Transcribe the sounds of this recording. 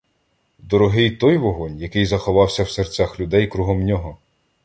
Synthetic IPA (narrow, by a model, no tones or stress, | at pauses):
d̪ɔɾɔɦɪjt̪ɔjʋɔɦɔnʲjɐkɪjzɐxɔʋɑwsʲɐwsert͡sʲaxlʲʊd̪ɛjkɾuɦɔmnʲɔɦɔ